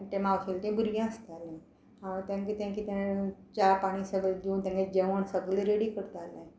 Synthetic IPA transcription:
ʈ̪emaʋselt̪ẽbuɾjãəst̪alẽ | hãt̪jãŋkit̪jãŋkit̪jãt͡ɕapaɽ̃isəɡəld̪iũnt̪jãŋked͡ʑeʋəɳsəɡleɾeɽiːkəɾt̪alai

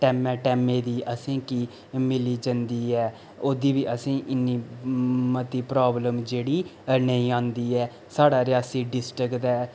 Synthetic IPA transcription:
ʈɛːmɛːʈɛːmẽːd̪iːʔəsĩːkiː | mɪliːd͡ʒənd̪iːɛː | oːd̪iːʋiːʔəsĩːʔɪnːiːmət̪iːpɾaːbləmd͡ʒeːɽiːnəĩːãːnd̪iːɛː | saːɽaːɾɪjaːsiːɖɪsʈɾɪkt̪ɛː

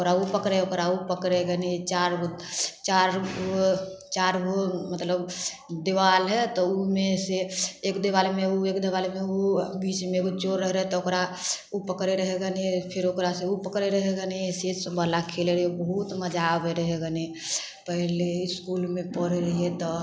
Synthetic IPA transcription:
okɾaupəkɾeokɾaupəkɾeɡənt͡ʃaɾɡot͡ʃaɾ | t͡ʃaɾɡomət̪ləbd̪eʋalɦɛt̪ɔumeseekd̪ewalemeuekd̪ewalemeubit͡ʃmeɡot͡ʃoɾːəɦɾəɦɛt̪ɔokɾa | upəkɾeɾəɦɛɡəniepʰiɾokɾaseupəkɾeɾəɦɛɡənised͡ʒ̪səbəlakʰeleɾəɦebəɦut̪məd͡ʒabeɾəɦeɡəne | pəɦleiskulmẽpɔɾeɾəɦiet̪ɔ

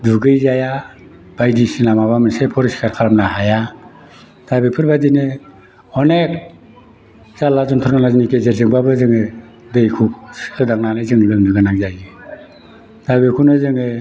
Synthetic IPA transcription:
duɡɯjzaja | b̥ajdisinamaβamɯnsepʰɔɾisi̥kʰaɾkʰaɾamnahaja | tabipʰɯɾbadine | ɔnek̚ | zalazɔntʰɔɾnanazinikezeɾzɯŋbabɯzɯŋɯ | dɯjkʰuksʰɯdaŋnanazɯŋlɯŋnɯɡɯnaŋzaji | tabikʰunɯzɯŋɯ

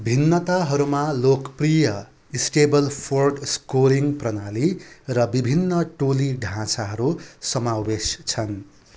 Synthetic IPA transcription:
bʱinːʌt̪aɦʌɾumalokprijʌ | isʈebʌlpʰorɖskoɾiŋprʌnalirʌbibʱinːʌʈoliɖʱãt͡saɦʌɾusʌmawest͡sʰʌn

